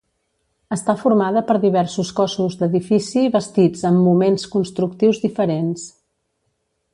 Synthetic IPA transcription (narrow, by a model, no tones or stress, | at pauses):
əst̪afuɾmaðəpəɾðiβ̞ɛɾsuskɔsuzd̪əðifisiβəst̪id͡zəmːumenskunst̪ɾuk̚t̪iwzðifəɾens